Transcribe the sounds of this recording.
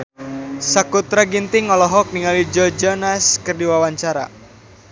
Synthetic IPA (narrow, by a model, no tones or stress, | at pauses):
sakut̪ɾaɡint̪iŋɔlɔɦɔk̚niŋalid͡ʒɔd͡ʒɔnaskərdiwawaɲt͡ʃaɾa̰